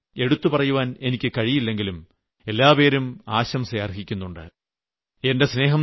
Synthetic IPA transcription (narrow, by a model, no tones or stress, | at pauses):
e̞ɽut̪ːupɐrɐjuʋaːne̞nikʲːɨkɐɻijilːe̞ŋɡilum | e̞lːaːpe̞ːɾumaːɕɐmsɐeɐrɦikʲːunːuɳɖɨ̰ | e̞nde̞sne̞ːɦɐm